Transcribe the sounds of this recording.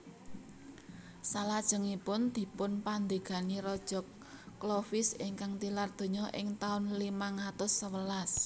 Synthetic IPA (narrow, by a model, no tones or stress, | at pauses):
salad̥ʒ̥ə̤ŋipʊnd̪̥i̤pʊnpand̪e̤ɡ̥a̤niɾɔd̥ʒ̥ɔ̤kː | lɔfɪsɪŋkaŋt̪ilard̪̥o̤ɲɔʔɪ̰ŋt̪aʊnlimaŋat̪ʊsːəwəlas